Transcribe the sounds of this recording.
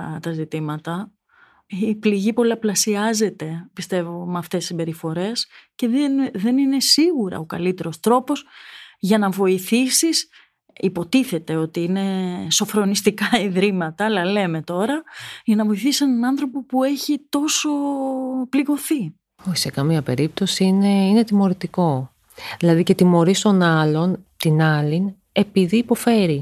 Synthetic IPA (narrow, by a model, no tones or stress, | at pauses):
t̪ɐzit̪imɐt̪ɐ | ipliʝipo̞lɐplɐsiɐze̞t̪e̞pist̪e̞vomɐft̪essimbe̞ɾifo̞ɾe̞sce̞ðenðe̞nine̞siɣuɾɐ̰okɐ̰lit̪e̞ɾo̞st̪ɾo̞po̞sʝɐnɐvo̞iθisis | ipo̞t̪iθe̞t̪e̞o̞t̪iine̞sofɾo̞nist̪ikɐiðɾimɐt̪ɐːlɐle̞me̞t̪o̞ɾɐʝɐnɐvo̞iθisisenɐnɐnθɾo̞po̞pue̞çit̪o̞so̞pliɣo̞θi | oçi̥sekɐmiɐpe̞ɾip̚t̪o̞siineine̞t̪imo̞ɾit̪iko̞ | ðilɐðice̞t̪imo̞ɾist̪o̞nɐlo̞nt̪inɐlin | e̞piðiːpo̞fe̞ɾi